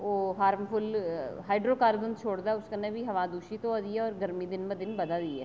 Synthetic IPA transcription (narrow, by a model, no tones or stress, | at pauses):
oːɦaːɾmfʰʊlɦaːɪɖɾoːkaːɾbə̃nd̪t͡ʃʰoːɽd̪aɛʊskanebʱiɦɐʋaːd̪uːʃit̪õad̪iɛɔːɾɡəɾmid̪ɪnmə̃d̪ɪnbɐd̪ad̪iɛ̰ː